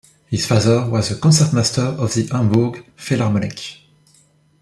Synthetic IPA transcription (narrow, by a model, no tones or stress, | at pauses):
hiz̥faðəwɔzəkɔ̃nsɛtmastʰə˞ɔvðiʔãmbuɡfilamɔnḭk